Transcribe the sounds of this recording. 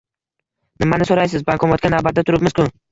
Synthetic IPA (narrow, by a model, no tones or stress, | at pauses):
nɪmanɪsoɾajsɪzbakʰɒmɒt̪kʲanavbat̪d̪at̪ʰʊɾɪpmɪz̥kʰʊ